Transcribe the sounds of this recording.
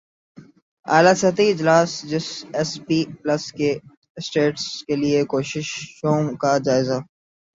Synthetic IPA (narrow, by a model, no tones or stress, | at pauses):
aːlasɐt̪iɪd͡ʒlaːsd͡ʒɪsɛspiːplɐske | sʈeːʈskeliekoːʃɪʃʃoːmkad͡ʒaːɪza